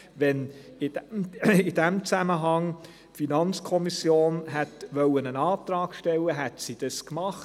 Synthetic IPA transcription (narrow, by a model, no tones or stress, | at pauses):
ʋɛn | ɪd̥id̥æmt͡sæməɦɑŋ | finɑnt͡skʰɔmisjoːnɦɛtʋœlənənɑːtɾɑːkʃtɛlːəɦɛtsid̥ɑskmɑχ